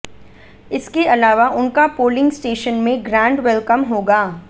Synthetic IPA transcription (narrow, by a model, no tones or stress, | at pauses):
ɪskeɐlaːʋaʔʊnkapoːlɪ̃ŋɡsʈeːʃənmẽɡɾãːɳɖʋɛlkəmɦoːɡaː